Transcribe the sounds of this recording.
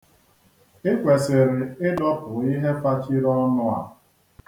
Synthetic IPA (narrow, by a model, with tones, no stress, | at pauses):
ɪ˦kʷe˨sɪ˨ɾɪ˨ɪ˦dɔ˦pʊ˨i˦ɦe˦fa˦t͡ʃi˦ɾɔ˦nʊ˦a̰˨